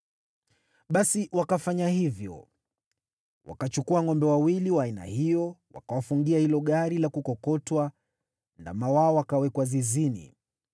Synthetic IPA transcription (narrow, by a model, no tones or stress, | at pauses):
ɓasiwakafaɲahivjɔ̰ | wa̰kat͡ʃukuaŋɔmbɛwawiliwaːina̰hijɔwa̰kawafuŋɡiahilɔɠaɾilakukɔkɔtwa | nda̰mawaɔwakawɛkwazizinḭ